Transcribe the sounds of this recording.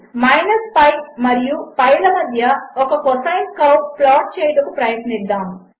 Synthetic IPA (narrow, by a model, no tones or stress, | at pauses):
mɐjnɐspɐjmɐɾijupɐjlɐmɐd̪ʱjɐɔkɐkɔsɐjnkɐwʈplaːʈ̚t͡ʃɛːjɐʈɐkupɾɐjɐʈ̪nid̪ːaːmu